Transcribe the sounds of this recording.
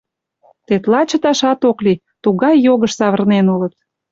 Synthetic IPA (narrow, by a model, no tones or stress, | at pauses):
t̪et̪lɑt͡ɕə̆t̪ɑʃɑt̪okli | t̪uɣɑjːoɣəʃsɑβərnenulət̪̚